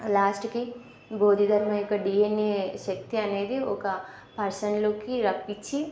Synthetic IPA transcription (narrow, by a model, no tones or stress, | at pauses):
laːsʈki | boːd̪ʱid̪ʱɐɾmãjokaɖiːenːeʃɐk̚t̪ianeːd̪ioːka | pɐɾsənlokiɾɐpːit͡ʃʰi